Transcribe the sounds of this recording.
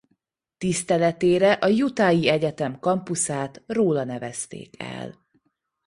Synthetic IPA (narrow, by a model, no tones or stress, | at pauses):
t̪ist̪ɛlɛt̪eːɾɛʔɒjut̪aːjiɛɟɛt̪ɛmkɒmpusaːt̪roːlɒnɛvɛst̪ḛːkɛ̰l